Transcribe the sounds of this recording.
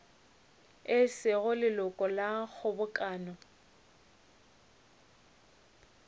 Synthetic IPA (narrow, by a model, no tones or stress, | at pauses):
ɪsɪɣʊlɪlʊkʼɔlaɣʰʊbʊkʼaːnɔ